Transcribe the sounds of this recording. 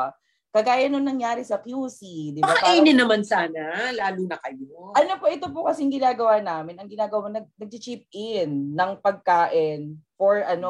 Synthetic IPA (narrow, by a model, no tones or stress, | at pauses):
kɐɡaːjɐnoŋnɐŋjaːɾɪsɐkjuːsid̪ɪbaaʔɛnɛnɐmansaːnalaːluːnɐkɐjoʔɐnopoʔɛt̪op̬okɐsɛɪŋɡɪnaːɡɐwaːnaːmɪnɐŋɡɪnaːɡɐwanɐɡ̚nɐɡ̚t͡ʃɪt͡ʃip̚ʔɪnːɐŋpɐɡ̚kaːʔɪnfoɹʔɐno